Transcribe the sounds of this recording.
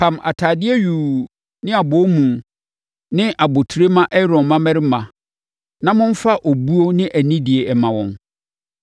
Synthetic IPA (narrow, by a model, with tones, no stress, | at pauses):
pʰã˨mʔa̰˨tʰaː˨dɪ˦ɛ˦ɥu˨ | nɪ̃˦a˨bɔ˨˦mũ˨n | nɪ̃˦ʔa˨bo˨tʰu˨ɾe˦mã˦ʔɛ˦ɾɔ̃˨mmã˦mɛ˦ɾɪ˦mã˨ | nã˦mʊ̃˦n̩˦fa˦ʔo˨bu˦o˦nɪ̃˦ʔæ˨nĩ˦dɪ˨e˨ɛ˨mã˨wɔ̰̃˨n